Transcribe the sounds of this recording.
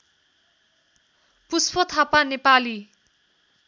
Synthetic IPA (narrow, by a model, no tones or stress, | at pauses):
puspʌt̪ʰapanepali